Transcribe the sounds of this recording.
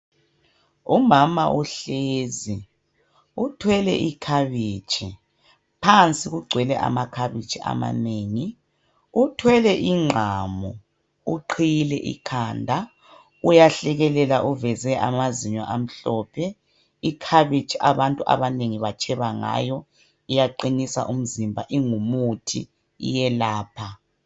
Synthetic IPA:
umamaʔuɬeːzi | utʰwɛlɛ̰ʔikʰaβit͡ʃʰʼi | pʰant͡sʼiɣuɡ͡ǀʱwɛlɛʔa̰makʰaβit͡ʃʰʼiʔa̰ma̰neːŋi | utʰwɛlɛʔiŋ͡ǃʱamɔ | uǃʰijlɛ̰ʔḭkʰandʱa | ujaɬɛɣɛlɛlaʔuvɛzɛʔa̰maziɲɔʔam̩ɬɔːpʰɛ | ikʰaβit͡ʃʼiʔaβantʼuʔa̰βaneŋiβat͡ʃʰʼɛβaŋa̰jɔ | ijaǃinisa̰ʔum̩zimbʱa̰ʔiŋumutʰḭ | ḭjɛlaːpʰa

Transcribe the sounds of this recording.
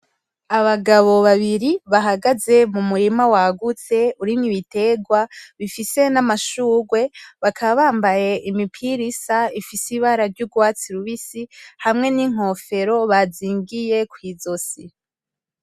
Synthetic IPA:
aβaɡaβo̞βaβiɾiβaɦaɡaze̞mumuɾimawaɡut͡se̞uɾiniβite̞ɡwaβifise̞namaʃuːɡwe̞βakʰaβaβaːmbaje̞ʔimipʰiɾisaifisiβaɾaɾɟuɡwaːt͡siɾuβisihamŋe̞niŋ̥o̞fe̞ɾo̞βaziːŋɡije̞kwiːzo̞si

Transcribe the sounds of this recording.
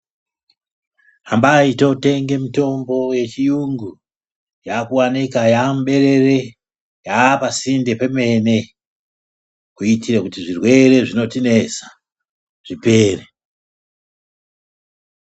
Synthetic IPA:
ɦambaito̞te̞ŋɡe̞mito̞mbo̞je̞t͡ʃijuŋɡu | jaːkuwanikajamɓe̞ɾe̞re̞ | japasinde̞peme̞ne̞ | kuitirakutiʐirwe̞re̞ʐino̞tine̞sḁ | ʐ̥ipe̞ːre

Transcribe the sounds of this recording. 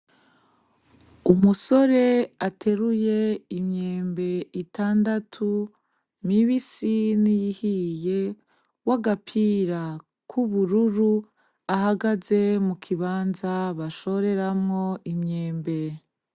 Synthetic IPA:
umuso̞ɾe̞atʰe̞ɾuje̞imɲeːmbe̞itaːndatʰu | miβisinijihije̞ | waɡapʰiːɾa | kʰuβuɾuɾu | aɦaɡaze̞mukʰiβaːnzaβaʃo̞ɾe̞ɾamŋo̞ʔimɲeːmbe̞

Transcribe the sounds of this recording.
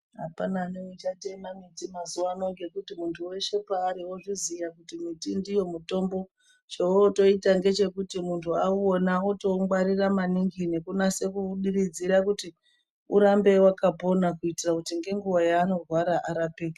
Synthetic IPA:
ɦapananewet͡ʃatemamitimazuʋano̞ŋɡe̞kutimuntʰuwe̞ʃe̞paːɾiwoʐizijakutimitindijo̞muto̞mbo̞ | t͡ʃewoto̞itaŋɡe̞t͡ʃe̞kutimuntʰuauonaoto̞mɡaɾiramaniŋɡine̞kunase̞kuɗiɾid͡ziɾakuti | uɾambe̞wakapo̞nakuitirakutiŋɡe̞ŋɡuwajaːno̞rwaɾaʔaɾapeːka

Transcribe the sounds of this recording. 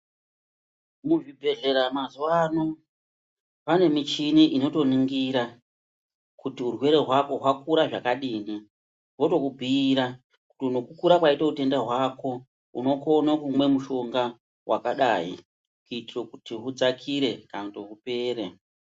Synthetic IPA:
muʐibʱe̞ʐe̞ɾamazuwano̞ | pane̞mit͡ʃiniʔino̞to̞niŋɡiɾa | kutiurwe̞ɾe̞ɦwako̞ɦwakuɾaʐakaɗiːni | wo̞to̞kubʱiːɾa | ku̥tiuno̞kukuɾakwaitaute̞ndaɦwako̞ | uno̞ko̞nakumwe̞muʃo̞ŋɡa | wʔa̰kaɗai | kuitirokutiɦud͡zakʰiɾe̞kanotoɦupe̞ːɾe

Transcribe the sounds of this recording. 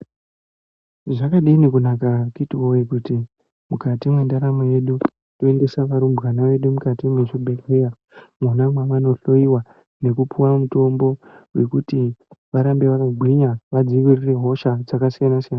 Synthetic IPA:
ʐakaɗiːnikunakakitiwojekuti | mukatimwendaɾamoje̞ɗu | toende̞saʋaɾumbɣanaʋe̞ɗumukatimweʐibʱekija | munamwaʋano̞ɬo̞jiwa | ne̞kupʰuwamuto̞mbo̞we̞̰kutiʋaɾambe̞ʋakaɡʱwiɲaʋad͡ziʋirire̞ɦo̞ʃad͡zakasijanasijana

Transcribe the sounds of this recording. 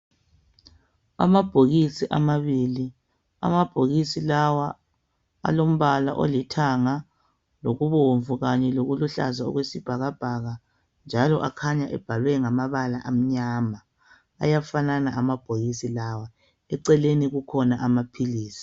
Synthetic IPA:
a̰mab̥ʱoɣisiʔamaβili | a̰mab̥ʱoɣisilawa | a̰lom̩βalaʔo̰litʰaŋa | loɣuβoɱvuɣaɲɛloɣuluɬa̰zaɔ̰ɣwesib̥ʱaɣab̥ʱaɣa | nd͡ʒʱalɔʔakʰaɲaʔɛb̥ʱalwɛŋamaβala̰ʔam̩ɲaːma | a̰jafananaamab̥ʱoɣisilawa | ɛǀɛleniɣukʰɔnaamapʰiliːsi̥

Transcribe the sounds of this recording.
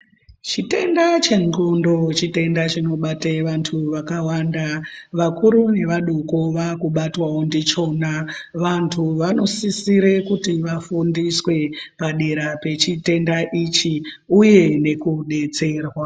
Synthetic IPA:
t͡ʃite̞ndat͡ʃe̞ŋɡondo̞t͡ʃite̞ndat͡ʃino̞ɓateʋantʰuʋakawandaʋakuɾune̞ʋaɗoko̞ʋakuɓatwaondit͡ʃo̞naʋantʰuʋano̞sisiɾekutiʋafundiswe̞paɗe̞ɾape̞t͡ʃite̞ndaʔit͡ʃi | uje̞ne̞kuɗe̞t͡se̞ːrwa

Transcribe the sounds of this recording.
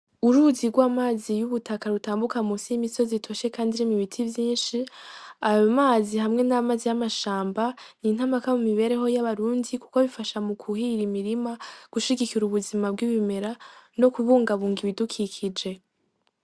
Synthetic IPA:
uɾuziɡwaːmaːzijuβutʰakaɾutaːmbukamusijimiso̞zitʰo̞ʃe̞kaːndiɾimiβitʰivjiːnʃiajomaːzihamŋe̞namaːzijamaʃaːmbanin̥hamakamumiβe̞ɾe̞ɦo̞jaβaɾuːndiku̥ko̞βifaʃamukʰuhiɾimiɾimaɡ̥uʃiɡikiɾuβuzimab̚ɡiβime̞ɾano̞kuβuːŋɡaβuːŋɡiβidukʰikʰid͡ʒe̞

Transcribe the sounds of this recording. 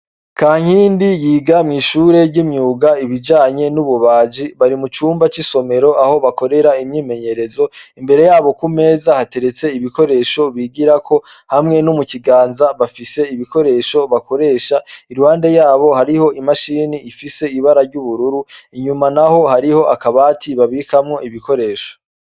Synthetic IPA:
kaːŋ̥hiːndijiːɡamŋiːʃuːɾe̞ɾɟimɲuːɡaiβid͡ʒaːɲe̞nuβuβaːd͡ʒiβaɾimut͡ʃuːmbat͡ʃiso̞me̞ɾo̞ʔaho̞βako̞ɾe̞ɾaimɲiːme̞ɲe̞ɾe̞zo̞imbe̞ɾe̞jaːβo̞kume̞ːzahate̞ɾe̞t͡se̞iβiko̞ɾe̞ːʃo̞βiɡiɾakʰo̞ | hamŋe̞numuciɡaːnzaβafise̞iβiko̞ɾe̞ːʃo̞βako̞ɾe̞ːʃaiɾuhaːnde̞jaːβo̞haɾiho̞imaʃiːniːfise̞iβaɾaɾɟuβuɾuɾuiɲumanaho̞haɾiho̞ʔakaβaːtʰiβaβikamŋo̞iβiko̞ɾe̞ːʃo̥

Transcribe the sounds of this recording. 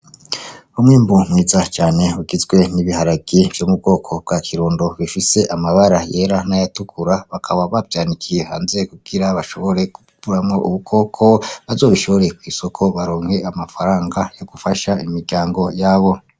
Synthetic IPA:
umŋiːmbumŋiːzat͡ʃaːne̞uɡizɡwe̞niβihaɾaɡiv̥jomub̚ɡo̞ːkʰo̞b̚ɡ̥aːkʰiɾuːndo̞βifise̞ʔamaβaɾaje̞ːɾanajatukʰuɾaβakʰaβaβabjaːnikʰijeha̰ːnzekuɡ̥iɾaβaʃo̞βo̞ɾe̞kupuɾamŋo̞ʔuβukʰo̞ːkʰo̞βazo̞ːβiʃoβo̞ɾe̞kwiːso̞kʰo̞βaɾoːŋ̥he̞amafaɾaːŋɡajo̞ɡ̥ufaʃaimiɾɟaːŋɡo̞jaβo̞

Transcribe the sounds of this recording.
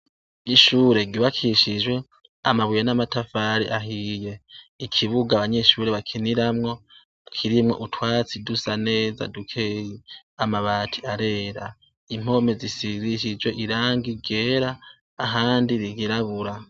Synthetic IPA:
iʃuːɾe̞ɡiβakʰiʃid͡ʒwe̞ | amaβujenamatafaɾiʔaɦije̞ikʰiβuɡaβaɲe̞ʃuɾeβakʰiniɾamŋo̞ | kʰiɾimŋo̞̰ʔutwaːt͡sidusane̞ːza̰dukʰeːjiamaβaːtʰiaɾe̞ːɾa̰ | im̥o̞me̞zisiɾiʃ̬id͡ʒwe̞ʔiɾaːŋɡiɡe̞ːɾaː | ɦaːndiɾiɡiɾaβuɾa

